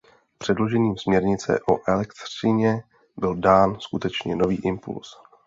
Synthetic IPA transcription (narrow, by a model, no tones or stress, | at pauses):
pr̥ɛdlo̞ʒɛɲiːmsmɲɛɾɲɪt͡sɛ̰ʔo̞ʔɛlɛkt̪r̥ɪɲɛ | bɪldaːnskut̪ɛt͡ʃɲɛno̞viːʔɪmpṵls